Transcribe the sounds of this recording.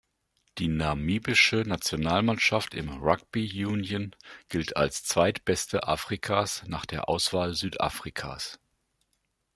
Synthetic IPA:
d̥iːnamiːbɪʃənat͡sjonaːlmanʃaftɪ̰mʁak̚b̥ijuːnjənɡ̥ɪltʰa̰lst͡sv̥aɪtb̥ɛstʰəʔaːfʁ̥ikʰaːsnaːχd̥eːɐʔa̰ʊsv̥aːlzyːtʔa̰ːfʁ̥ikʰa̰ːs

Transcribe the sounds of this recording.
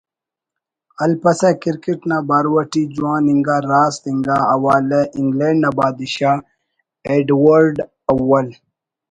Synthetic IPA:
ɐlpɐsakiɾkeʈnabaɾwɐʈid͡ʑuwãːniŋɡaɾaːst̪iŋɡaɐwaːlɐʔiŋɡleɳɖnɐbaːd̪iɕa | eɖwɐɾɖ | ɐwɐl

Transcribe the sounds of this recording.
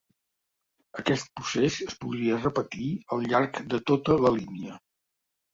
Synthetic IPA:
əkɛst̪̚pusesəspuðɾiərəpət̪iəlˠʎarkd̪ət̪ot̪ələliniə

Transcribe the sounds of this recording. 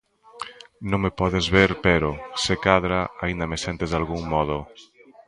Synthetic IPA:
nõŋmepɔðezβeɾpɛɾʊsekaðɾaaind̪ɐmesɛnt̪ezðalɣuŋmɔð̞ʊ

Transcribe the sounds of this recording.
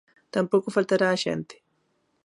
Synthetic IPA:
t̪ampokofalt̪aɾaːʒɛ̰nt̪ɪ̥

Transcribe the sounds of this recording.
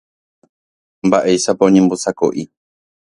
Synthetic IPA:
mbaʔe̞jʃapaõɲẽmbosako̰ʔi

